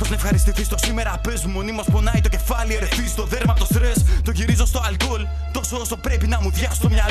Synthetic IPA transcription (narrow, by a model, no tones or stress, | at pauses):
pɾoznɐefxɐɾist̪iθist̪o̞sime̞ɾɐpezumo̞nimɐsponɐit̪oce̞fɐlieɾeθizst̪o̞ðeɾmɐt̪ost̪ɾest̪o̞ʝiɾizost̪o̞ɐlko̞l | t̪o̞sooso̞pɾepinɐmuðʝɐso̥t̪omɲɐl